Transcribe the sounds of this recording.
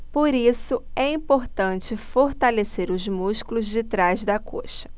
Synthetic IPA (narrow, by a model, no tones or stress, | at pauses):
poɾisʊɛĩpoɾt̪ɐ̃t͡ʃɪfoɾt̪aleseɾʊzmuʃkulʊzd͡ʒɪt̪ɾajzd̪ɐkʰoʃɐ̥